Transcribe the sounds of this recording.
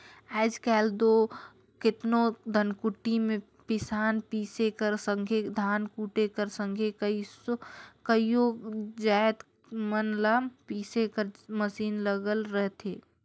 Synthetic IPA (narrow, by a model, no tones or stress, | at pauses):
aːd͡ʒkɛːld̪oː | kɪt̪nod̪ʱənkʊʈːimẽ | pɪsaːnpiːsekəɾsə̃ŋɡʱed̪ʱaːnkuːʈekəɾsə̃ŋɡʱekəisokəijod͡ʒaːt̪ | mənlaːpiːsekəɾməsiːnləɡəlɾəɦt̪ʰeː